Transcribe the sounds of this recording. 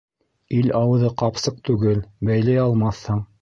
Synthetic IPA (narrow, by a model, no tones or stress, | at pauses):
ilɑwɤ̆ðɤqɑpsɤq̚t̪ʉɡɘlbæjlæjɑlˠmɑθhɤɴ